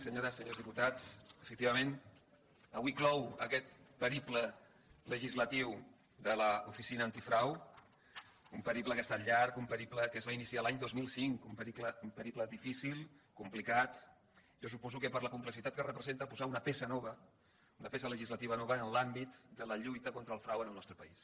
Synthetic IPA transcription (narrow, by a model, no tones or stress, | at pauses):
səɲoɾəsːəɲozðiput̪at͡səfək̚t̪iβəmen | əβwiklɔwə̰kɛt̪̚pəɾiplə | ləʒizlət̪iw | d̪ələufisinəːnt̪ifɾaw | umpəɾipləkəst̪aʎaɾkumpəɾipləkəːzβainisialaɲd̪ozmilˠsiŋkumpəɾikləumpəɾipləðifisilˠkumplikat̪ | ʒɔsupɔzukəpəɾləkumpləsit̪at̪̚kərəpɾəzent̪əpuzaunəpesənɔβə | unəpesələʒizlət̪iβənɔβəːnəlambit̪d̪ələʎujt̪əkont̪ɾəlˠfɾawənəlˠnɔst̪ɾəpəis